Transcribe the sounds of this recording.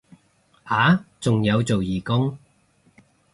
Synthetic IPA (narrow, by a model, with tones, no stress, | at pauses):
ʔaː˨˥t͡sʊ˨ŋjɐ˨˧wt͡so˨wjiː˨˩kʊ˥ŋ